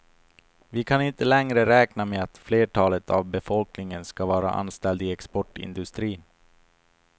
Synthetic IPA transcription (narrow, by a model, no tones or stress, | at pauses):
vɪkʰanɪnt̪əlɛŋɾəɾɛːknameat̪fleːʈʰɑːlət̪ʰa̰vbɛfɔlknɪŋənskavɑːɾa̰ʔa̰nst̪ɛld̪ɪɛkspɔʈɪ̰nd̪ɵst̪ɾiːn